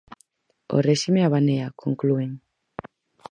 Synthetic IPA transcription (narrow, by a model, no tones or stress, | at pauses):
o̰reʃimeaβaneakʰoŋklueŋ